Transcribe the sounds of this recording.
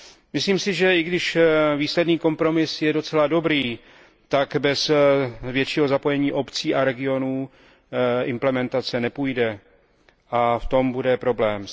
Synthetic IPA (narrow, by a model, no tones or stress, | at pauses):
mɪsliːmsɪʒɛɪɡdɪʃviːslɛdniːko̞mpɾo̞mɪsjɛdo̞t͡sɛlado̞bɾiː | t̪akbɛsvjɛt̪t͡ʃiːɦo̞zapo̞jɛɲiːʔo̞pt͡siːʔaɾɛɡɪo̞nuː | ɪmplɛmɛnt̪at͡sɛnɛpujdɛ | ʔaft̪o̞mbudɛpɾo̞blɛːm